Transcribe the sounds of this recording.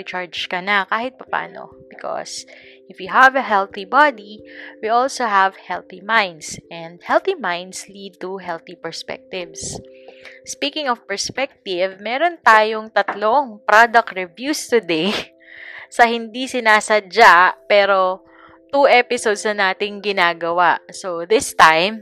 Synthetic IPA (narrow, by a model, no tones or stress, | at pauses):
it͡ʃaɹd͡ʒkɐnɐkaːhɪt̪̚pɐpa̰ːno̰bɪkʰo̰sʔɪfwiɦɐvɐɦɛlθibad̪iwiʔolsoɦɐvhɛlθimãjnd̪sʔɛ̃nd̪̚hɛlθimãjnd̪slid̪̚t̪uɦɛlθipɛɹspɛ̰k̚t̪ɪvs | spiːkɪ̃ŋɔvpɛɹspɛk̚t̪ɪvmɛːɾont̪aːjoŋt̪ɐt̪loʔoŋpɾod̪ɐk̚t̪ɹɛvjust̪ʊd̪ej | sɐhɪnd̪isɪnaːsɐd͡ʒapɛːɾo | t̪uʔɛpɪsod̪sɐnaːt̪ɪŋɡɪnaːɡɐwaʔsoðɪst̪ãjm